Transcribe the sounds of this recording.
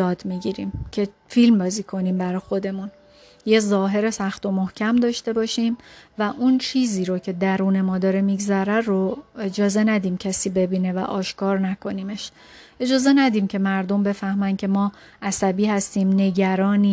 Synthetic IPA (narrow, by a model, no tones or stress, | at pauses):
jɒːd̪miɟiːɾiːmcʰe̞ | filmbɒːziːkʰo̞niːmbæɾɒxo̞d̪e̞mun | jezɒːɦe̞ɾe̞sæxt̪o̞mohcʰæmd̪ɒːʃt̪e̞bɒːʃiːmvæʔunt͡ʃʰiːziːɾocʰe̞d̪æɾuːne̞mɒːd̪ɒːɾemiɡzæɾæroe̞d͡ʒɒːze̞næd̪iːmcʰæsiːbe̞biːne̞væ̰ʔɒːʃkʰɒːɾnækʰo̞niːme̞ʃ | ʔe̞d͡ʒɒːze̞næd̪iːmcʰe̞mæɾd̪o̞mbe̞fæhmæncʰe̞mɒː | ʔæsæbiːhæst̪iːmne̞ɟæɾɒːniː